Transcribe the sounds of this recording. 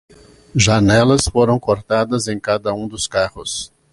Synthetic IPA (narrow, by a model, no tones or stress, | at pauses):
ʒanɛlɐsfoɾɐ̃w̃koɾt̪ad̪ɐzẽj̃kad̪ɐũd̪ʊskahʊs